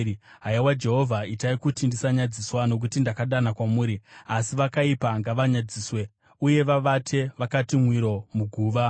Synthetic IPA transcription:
ɦaiwad͡ʒe̞ɦovʱaitaikutindisaɲad͡ziswano̞k̬utindakaɗanakwamuːɾiasiʋakaipaŋɡaʋaɲad͡ziːswe̞ | uje̞ʋaʋatʰe̞ʋakatimwiɾo̞muɡʱuːʋa

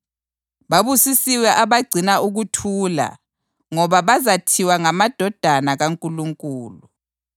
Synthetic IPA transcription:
βaβusisiwɛʔaβaɡ͡ǀʱinauɣutʰuːla̰ | ŋɔβaβazatʰiwaŋamad̥ʱɔd̥ʱanaɣaŋkʼuluŋkʼuːlu

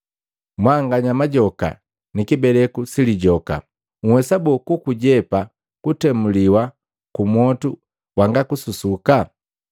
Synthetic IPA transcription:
mwaŋɡaɲamaɟɔka̰ | nikibɛlɛkusiliɟɔka̰ | ŋ̩wɛsabɔkukuɟɛpa | kutɛmuliwa | kumwɔtu | waŋɡakususuka

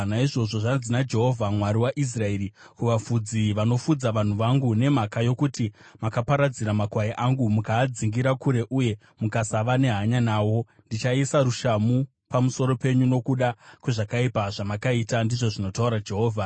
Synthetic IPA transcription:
naiʐo̞ʐo̞ʐad͡zinad͡ʒe̞ɦo̞vʱamwaɾiwaʔis̬rae̞ːɾi | kuʋafud͡ziʋano̞fud͡zaʋan̤uʋaŋɡune̞makajo̞kutimakapaɾad͡ziɾamakwajiʔaŋɡumukaːd͡ziŋɡiɾakuɾe̞ʔuje̞ | mukasaʋane̞ɦaɲanaːwo̞ | ndit͡ʃaisaɾuʃamu | pamuso̞ɾo̞pe̞ɲuno̞kuɗakwe̞ʐakaipaʐamakaitandiʐo̞ʐino̞tauɾad͡ʒe̞ɦo̞ːvʱa

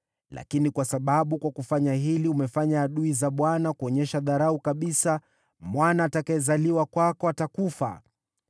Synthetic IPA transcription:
lʔa̰kinikwasaɓaɓukwakufaɲaɦiliumɛfaɲaːɗuizaɓwanakuɔɲɛʃaðaɾaukaɓisa | mwanaːtakajɛzaliwakwakɔatakufa̰

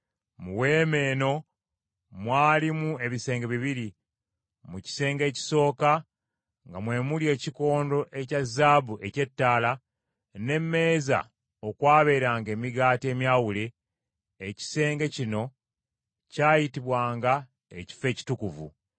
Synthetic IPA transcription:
muwe̞ːme̞ːno̞ | mwaːlimue̞βise̞ːŋɡeβiβiɾi | muci̥se̞ːŋɡe̞ːci̥so̞ːka | ŋɡamwe̞ːmulje̞ːciko̞ːndo̞ʔe̞cazːaːbuʔe̞ce̞tːaːla | ne̞mːe̞ːza̰ | okwaːβe̞ːɾaːŋɡe̞ːmiɡaːtie̞ːmjaːwuleː | ci̥se̞ːŋɡecino̞ | caːjitiβwaːŋɡa | ḛci̥fe̞ːci̥tukuvṵ

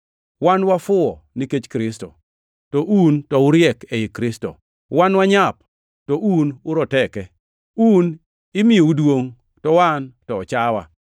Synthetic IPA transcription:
wanwafʊɔniket͡ʃkɾɪsto̰ | tɔʔuntɔʊɾjɛkeikɾɪsto̰ | wanwaɲap̚ | tɔʔunʊɾɔtɛkɛ | un | ɪmɪjoudwoŋ | tɔwantɔɔt͡ʃawa̰

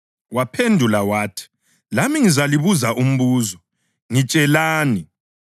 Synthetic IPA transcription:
wapʰendʱulawaːtʰi̥ | lamiŋizaliβuzaʔum̩βuːzɔ | ŋit͡ʃʼɛlaːni

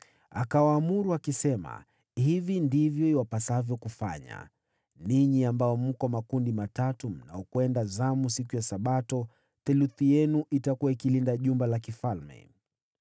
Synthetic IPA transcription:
a̰kawaːmuɾuakisɛma̰ | hivindivjɔiwapasavjɔkufaɲa̰ | niɲiambajɔm̩kɔmakundimatatum̩na̰ɔkwɛndazamusikujasaɓatɔ | θɛluθijɛnuʔitakuwaikilindaʄumbalakifalmɛ̰

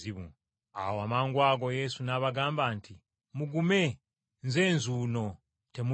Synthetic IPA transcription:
iβṵ | a̰woamaːŋɡwaːɡo̞je̞sunaβaɡaːmbaːntʰi | muɡume̞ | nze̞ːnzuːno̞ | te̞mu

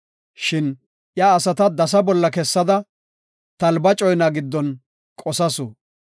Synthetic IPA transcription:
ʃɪn | ʔjaːsɐt̪ɐd̪ɐs̬ɐbɔlːɐkɛsːɐd̪ɐ | t̪ɐlbɐt͡ʃʼɔjnɐɡɪd̪ːɔn | kʼɔsɐsʊ

